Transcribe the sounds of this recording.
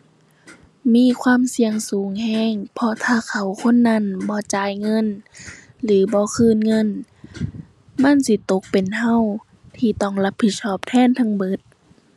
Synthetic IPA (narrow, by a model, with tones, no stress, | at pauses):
miː˧˥˨kʰwaː˧˥˨msi˧əŋsuː˨˦ŋhɛː˧˥˩ŋpʰɔ˧t̪ʰaː˧˩kʰa˨˩wkʰo˧˥˨nːa˧˥˨nbɔː˧˦t͡ɕaː˨˦jŋɤ˧˥˨n | lɯː˨˦bɔː˧˦kʰɯː˧˨nŋɤ˧˥˨n | ma˧˥˨nsi˧˦t̪o˧˦k̚pe˨nha˧˥˨w | t̪ʰiː˧t̪ɔː˧˩ŋla˧˦pʰːi˧˦t̪̚sɔː˧˩p̚t̪ʰɛː˧˥˨nt̪ʰa˧˥ŋbɤ˧˦t̪̚